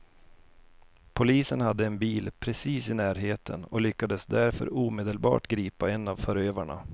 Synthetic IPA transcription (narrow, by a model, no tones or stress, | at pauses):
pʰʊliːsənhad̪ːəɛnbiːlpʰɾɛsiːsɪnæːɾɦeːt̪ʰə̰nɔlʏkːad̪əsd̪æɾfœ̰ɾuːmeːd̪əlbɑ̰ːʈɡɾiːpaɛnːavfœɾøːvaɳa̰